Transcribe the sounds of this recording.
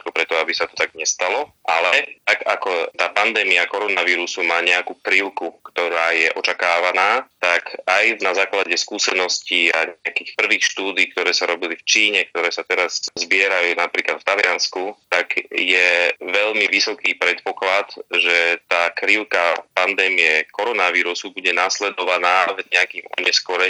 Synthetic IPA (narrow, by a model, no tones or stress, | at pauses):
t̪kɔpɾɛt̪ɔabisat̪ɔ̥t̪aɡɲɛst̪alɔʔalɛt̪aɡakɔt̪aːpand̪ɛːmiakɔɾɔnaʋiːɾusumaːɲɛakuːkɾiʊkukt̪ɔɾaːjɛʔɔt͡ʃakaːʋanaːt̪akajnazaːklaɟɛskuːsɛnɔsciaɲɛakiːxpr̩ʋiːxʃt̪uːd̪iːk̚t̪ɔɾɛːsaɾɔbilift͡ʃiːɲɛk̚t̪ɔɾɛːsat̪ɛɾazzbɪɛɾajuːnapɾiːklat̪ft̪alɪanskut̪aɡjɛʋɛʎmiʋisɔkiːpɾɛt̪̚pɔklat̪ʒɛt̪aːkɾiʊkapand̪ɛːmiɛkɔɾɔnaʋiːɾusubuɟɛnaːslɛd̪ɔʋanaːvɲɛakiːmɔ̰ɲɛskɔɾɛ